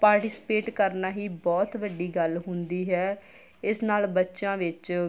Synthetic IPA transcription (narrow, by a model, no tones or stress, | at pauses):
paːɾʈɪsɪ̥peːʈkəɾnaːɦiːbɔːt̪ʋəɖːiːɡəlɦʊnd̪iːɦɛː | ɪsnaːlbətːʃãːʋɪt͡ʃ